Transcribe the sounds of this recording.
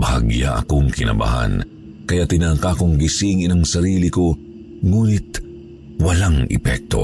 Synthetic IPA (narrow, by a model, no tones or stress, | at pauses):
bɐhaɡja̰ʔɐ̰koŋkɪnɐ̰ba̰ha̰n | kɐjat̪ɪnaːkakoŋɡɪsiŋɪnɐŋsɐɾiːlɪko | ŋuːnɪt̪ | wɐlaŋɛ̰pɛk̚t̪o̞̰